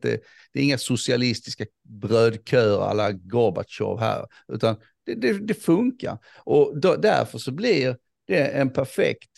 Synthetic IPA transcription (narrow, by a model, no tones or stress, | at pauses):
d̪ɛ̰ | d̪̥ɛɾɪŋːasʊsɪalɪst̪ɪska | bɾøːd̪kʰœːɾa̰lːaɡɔba̰t̪ʃɔ̰vɦæ̰ːɾ | ʉ̟ːt̪an | d̪̥ɛd̪ɛd̪ɛfɵŋka̰ɾ | ʔɔd̪d̪æ̰ɾfœʂɔblɪɾ | d̪̥ɛɛnpʰæɾfɛ̰kt̪